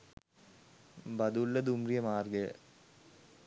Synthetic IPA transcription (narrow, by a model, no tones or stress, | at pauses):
bɐd̪ulːɐd̪umrijɐmaːrɡə